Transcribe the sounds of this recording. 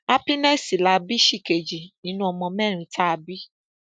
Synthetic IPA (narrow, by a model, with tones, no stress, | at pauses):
a˦pi˦nɛ˦˨si˨la˧˦bi˦ʃi˦˨ke˨d͡ʒi˨nĩ˦nũ˦ɔ˧mɔ̃˧mɛ˦˨ɾ̃ĩ˧˦ta˦a˧bi˦